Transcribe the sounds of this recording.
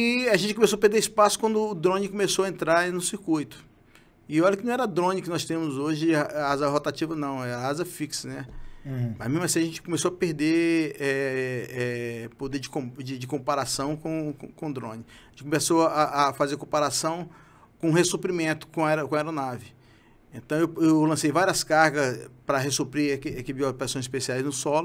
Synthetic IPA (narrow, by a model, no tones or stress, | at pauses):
aʒẽt͡ʃɪkõmesoɐpeɾd̪eɾispasʊ̥kwɐ̃nd̪ʊːd̪ɾõnɪkõmesowɐẽnt̪ɾaɾnʊsiɾkujt̪ʊ̥ | ɪewaʎɐkɪnɐ̃ɛɾɐd̪ɾõnɪkɪnɔst̪ẽmʊzoʒɪazɐɦot̪at͡ʃivɐnɐ̃w̃ɛazɐfiksnɛ | mɐzmezmɐsĩɐʒẽnt͡ʃɪ̥kõmesoɐpeɾd̪eɛɛpod̪eɾd͡ʒɪkõd͡ʒɪd͡ʒɪkõpaɾasɐ̃w̃kõkõkõd̪ɾõnɪ | ẽt͡ʃɪkomesoaʔafazekõpaɾasɐ̃w̃ | kõũɦesopɾimẽnt̪ʊ̥kõɛɾkõɐaɛɾonavɪ | ẽt̪ɐ̃w̃ewewlɐ̃sejvaɾiɐskahɡɐspɾɐɦesopɾikɛkɪbiopɾasõj̃sɪspesiajznʊsɔlʊ